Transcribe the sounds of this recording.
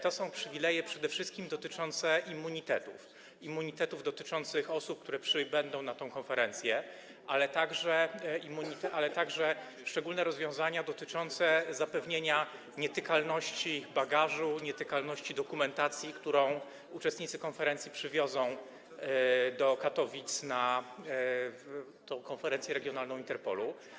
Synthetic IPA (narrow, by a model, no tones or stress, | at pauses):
t̪ɔsɔ̃w̃pʂɘvʲilɛjɛpʂɛd̪ɛfʂɘst̪̚kʲimd̪ɔt̪ɘt͡ʂɔnt̪sɛʔimːuɲit̪ɛt̪ṵf | imːuɲit̪ɛt̪uvd̪ɔt̪ɘt͡ʂɔnt̪sɘxɔsup̚k̚t̪uɾɛpʂɘbɛnd̪ɔ̃w̃nat̪ɔ̃w̃kɔnfɛɾɛnt̪sʲjɛ | ʔalɛt̪aɡʐɛimːuɲit̪ɛʔalɛt̪aɡʐɛ | ʂt͡ʂɛɡulnɛɾɔzvʲjɔ̃w̃zaɲad̪ɔt̪ɘt͡ʂɔnt̪sɛzapɛvɲeɲa | ɲɛt̪ɘkalnɔɕt͡ɕibaɡaʐuɲɛt̪ɘkalnɔɕt͡ɕid̪ɔkumɛnt̪at̪sʲjikt̪uɾɔ̃w̃ | ut͡ʂɛst̪ɲit̪sɘkɔnfɛɾɛnt̪sʲjipʂɘvʲjɔdzɔ̃w̃ | d̪ɔkat̪ɔvʲit̪sna | t̪ɔ̃w̃kɔnfɛɾɛnt̪ʲjɛɾɛɡʲjɔnalnɔ̃int̪ɛɾpɔ̰lu